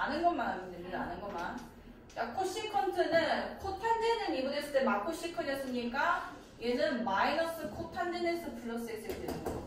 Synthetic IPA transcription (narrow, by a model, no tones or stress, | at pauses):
anɯnɡʌnmanɦamidemodaanɯnɡʌman | akʰoɕ͈ikʰʌntʰɯnɯnkʰotʰandenɯnibunesʰɯt͈emakʰoɕ͈ikʰʌnjʌs͈ɯɲik͈a | jenɯnmainʌs͈ɯkʰotʰandenesʰʌpuɭːʌs͈ɯɡes͈ɯɡedweɲia